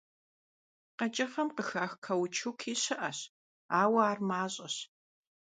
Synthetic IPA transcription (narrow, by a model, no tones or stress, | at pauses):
qɐt͡ʃʼɐfɐmqəxaːxkʰɐwt͡ʃʰukʰiːɕɪʔɐɕ | aːwɐaːrmaːɕʼɐɕ